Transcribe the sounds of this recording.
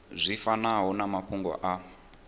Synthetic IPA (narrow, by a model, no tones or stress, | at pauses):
zʷifanaɦɔnamapʰuŋɡwɔ̰ʔa